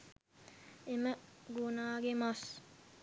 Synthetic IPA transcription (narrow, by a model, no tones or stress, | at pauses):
eməɡunaːɡemas